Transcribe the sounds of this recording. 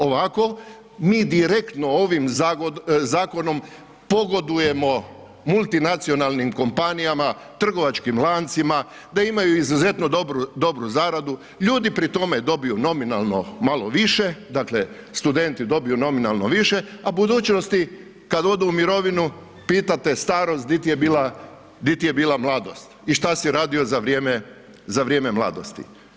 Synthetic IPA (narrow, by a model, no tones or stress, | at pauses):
oʋako̞ | miːd̪iɾe̞kt̪no̞oʋimzaɡozaːko̞no̞m | po̞ɡo̞d̪uje̞mo̞ | mulˠt̪inat̪sio̞nalˠnimko̞mpanijamat̪r̩ɡo̞ʋat͡ʃkimlˠaːnt̪sima | d̪aimajuizuze̞t̪nod̪obɾud̪o̞bɾuzaɾad̪u | ʎuːd̪ipɾit̪o̞med̪o̞bijuno̞minalˠno̞̰maloʋiʃe̞d̪akle̞st̪ud̪e̞nt̪id̪o̞bijuno̞minalˠno̞ʋiʃe̞abud̪uːt͡ʃno̞st̪i | kad̪o̞d̪uumiɾo̞ʋinu | piːt̪at̪est̪aːɾo̞st̪d̪it̪ijebiːlˠa | d̪it̪ije̞biːlˠamlˠaːd̪o̞̰st̪iʃt̪asiɾaːd̪io̞zaʋɾjeːme | zaʋɾje̞ːmemlˠa̰ːd̪o̞̰st̪ḭ